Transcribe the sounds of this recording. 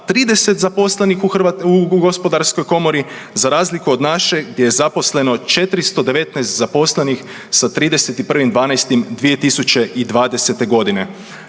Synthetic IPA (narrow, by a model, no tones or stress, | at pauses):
t̪ɾiːd̪e̞se̞t̪zapo̞slenixuxauɡo̞spo̞d̪aɾsko̞jko̞mo̞ɾizaɾaːzlikuo̞d̪naʃe̞ɡdje̞jezapo̞sle̞no̞t͡ʃe̞t̪ɾist̪o̞d̪e̞ʋe̞t̪nɛjst̪zapo̞sle̞nix | sat̪ɾiːd̪e̞set̪ipr̩ʋimd̪ʋaːnajst̪imd̪ʋije̞t̪isut͡ʃe̞ʔid̪ʋaːd̪e̞se̞t̪e̞ɡo̞d̪ine